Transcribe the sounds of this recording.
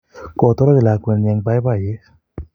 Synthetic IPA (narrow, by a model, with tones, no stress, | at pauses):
kɔ˨t̪ɔ˦ɾɔ˦d͡ʒi˨la˨ke˨nɛ˧ŋba˧˦jba˨je˦